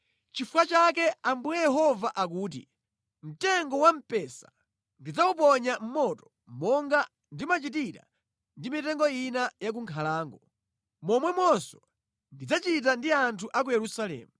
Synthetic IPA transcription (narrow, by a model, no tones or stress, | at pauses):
t͡ʃifukat͡ʃak̬ɛambujɛjɛɦɔvaʔak̬uːt̬ḭ | m̩tɛŋɡɔwam̩pɛsḁ | ndid͡zaup̬ɔɲam̩mɔtɔ̥ | mɔŋɡa | ndimat͡ʃitiɾa̰ | ndimitɛŋɡɔinajak̬uŋkʰalaːŋɡɔ | mɔmwɛmwɔsɔ | ndid͡zat͡ʃit̬andiantʰuʔak̬ujɛɾusalɛ̰ːmu